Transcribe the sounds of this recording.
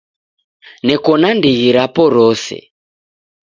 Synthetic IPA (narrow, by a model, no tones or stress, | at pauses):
nɛkɔnandiɣiɾapɔɾɔsɛ̰